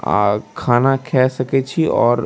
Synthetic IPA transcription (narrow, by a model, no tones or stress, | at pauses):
kʰaːnakʰɛːsɐket͡ʃʰiɔːɾ